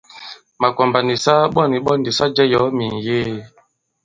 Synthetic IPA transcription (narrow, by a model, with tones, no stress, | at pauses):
ma˨kɔ˨mba˨ni˨sa˦ɓɔ˦˨ni˨ɓɔ˦ndi˨sa˦d͡ʒɛ˦jɔ˨˦mi˨ŋ˨je˦